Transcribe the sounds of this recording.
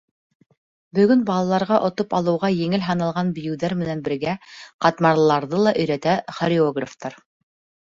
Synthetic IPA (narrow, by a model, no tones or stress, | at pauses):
bɵ̆ɡɵnbɑlˠɑlˠɑɾʁɑʔŏt̪opɑlˠɤ̆wʁɑjɘ̆ŋɘlɦɑnɑlˠʁɑnbɵ̆jɘ̆wðæɾmɘ̆nænbɘ̆ɾɡæqɑt̪mɑɾlˠɑɾðɤlˠɑʔɵ̆jɾæt̪æχoɾʲɪoɡraft̪ɑɾ